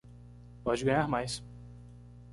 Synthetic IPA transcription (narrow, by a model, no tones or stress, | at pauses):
pɔd͡ʒɪɡɐ̃ɲaɾmajs